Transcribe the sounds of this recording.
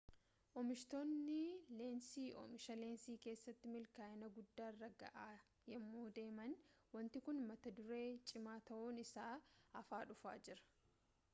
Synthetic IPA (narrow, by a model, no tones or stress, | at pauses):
ʔɔmɪʃt̪o̞ːnːɪle̞ːnsiːʔɔ̰mɪʃɐle̞ːnsiːke̞ːsːɐt̪ːɪmɪlkaːɪnɐɡʊd̪ːaːrːɐɡɐ̰ʔaː | jɛmːoːd̪e̞ːmɐnwɐnt̪ɪkʊnmɐt̪ɐd̪ʊɾe̞ːt͡ʃʼɪmaːt̪ɐʔuːnɪsaːɐfaːᶑʊfa̰ːd͡ʒɪɾɐ̥